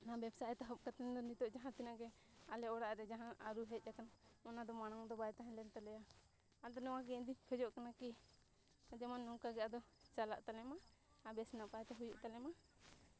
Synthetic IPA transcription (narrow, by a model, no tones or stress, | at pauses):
nabɛbsaʔɛt̪aɦɔp̚kat̪ɛnd̪ɔnit̪ɔʔd͡ʒaɦãt̪inaɡɛ | alɛɔɽaʔɾɛd͡ʒaɦãʔaɾuɦɛt̪̚ˀjakanɔnad̪ɔmanaŋd̪ɔbajt̪aɦɛ̃lɛnt̪alɛja | ald̪ɔnɛwãkɛd̪ihʰɔd͡ʒɔʔkanaki | ad͡ʒɛmanːɔkaɡɛʔad̪ɔt͡ʃala̰ʔt̪alɛma | abɛsnapaɛt̪ɛɦujuʔt̪alɛma